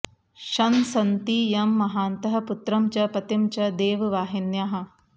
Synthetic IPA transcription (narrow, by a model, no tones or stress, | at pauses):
ʃɐnsɐnt̪ijɐmːɐɦaːnt̪ɐɦɐput̪ɾɐmt͡ʃɐpɐt̪imt͡ʃɐd̪eːʋʋaːɦinjaɦɐ̆